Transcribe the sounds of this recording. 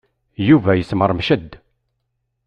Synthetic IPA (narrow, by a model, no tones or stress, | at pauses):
juvæjəsməɾˤmʃəd̪ː